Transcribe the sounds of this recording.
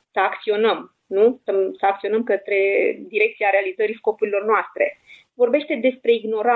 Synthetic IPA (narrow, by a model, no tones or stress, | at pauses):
səakt̪sio̞nəm | nusəsəak̚t̪io̞nəmkət̪ɾe̞d̪iɾe̞k̚t̪sijaɾealizəɾisko̞puɾilo̞rnoast̪ɾe̞̰ | vo̞rbe̞ʃt̪e̞d̪e̞spɾe̞iɡno̞ɾa